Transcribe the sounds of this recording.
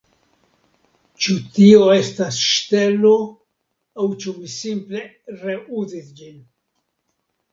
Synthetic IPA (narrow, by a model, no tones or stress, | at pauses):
t͡ʃutio̞e̞stasʃte̞lo̞ | awt͡ʃuvisimple̞ | ɾe̞ʔuzisd͡ʒin